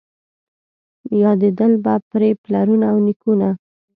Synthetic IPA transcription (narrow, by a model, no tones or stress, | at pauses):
jɑd̪ed̪əlbapɾeplaɾunaːwnikuna